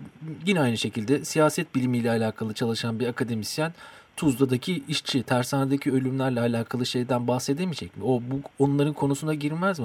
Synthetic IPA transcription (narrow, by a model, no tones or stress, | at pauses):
ɟinɛajnɯʃe̞cʰilʲd̪ɛsijaːsɛt̪̚bilʲimijlʲɛalʲaːkʰalˠɯt͡ʃʰalˠɯʃanbiɾakʰad̪e̞misjænt̪ʰuzd̪ˠad̪acʰiiʃt͡ʃʰit̪ʰæɾsaːnad̪acʰiø̞lʲymlʲæɾlʲɛalʲaːkʰalˠɯʃe̞jd̪ænbahse̞d̪emid͡ʒɛcmio̞buonunˠaɾɯnkʰo̞nusunaɟiɾmæzmi